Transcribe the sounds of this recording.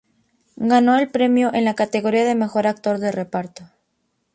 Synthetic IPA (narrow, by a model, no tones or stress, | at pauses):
ɡano̞e̞lpɾe̞mjoʔe̞nlakat̪e̞ɣo̞ɾiaðeme̞xo̞ɾak̚t̪o̞ɾðe̞re̞paɾt̪o